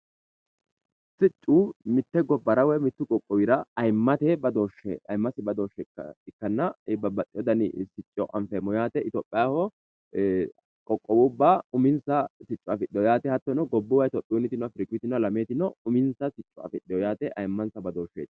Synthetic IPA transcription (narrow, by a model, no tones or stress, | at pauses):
sɪt͡ʃʼːuːmɪt̪ːɛɡɔbːɐɾɐwɛmɪt̪ːʊkʼɔkʼːɔwɪɾɐɐjmːɐt̪ɛbɐd̪oːʃḛɐjmːɐsɪbɐd̪oːʃːɛkːɐ̰ɪkːɐnːɐbɐbɐt̪ʼːɪjɔd̪ɐnɪsɪt͡ʃʼːɔʔɐɱfɛmɔjaːt̪ɛɪt̪oːpʼːɪjaːhɔ | kʼɔkʼːɔwʊbːaʊmɪnsɐsɪt͡ʃʼːʊɐfɪɗɪjɔjaːt̪ɛhɐt̪ːɔnɔɡɔbːʊwɐjt̪ɔpʼːuːnːɪt̪ɪnwɐfɪɾɪkːɪt̪ɪnɔɐlɐmeːt̪ɪnɔʊmɪnsɐsɪt͡ʃʼːʊɐ̰fɪɗɪjɔjaːt̪ɛʔɐjmːɐnsɐbɐd̪oːʃːḛːt̪